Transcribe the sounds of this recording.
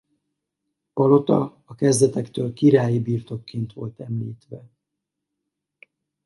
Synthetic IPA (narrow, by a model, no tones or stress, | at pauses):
ɒlo̞t̪ɒ̰ɒkɛzd̪ɛt̪ɛkt̪øːlkiɾaːjibiːrt̪o̞kːeːnt̪ʋo̞̰lt̪ɛmliːt̪ʋɛ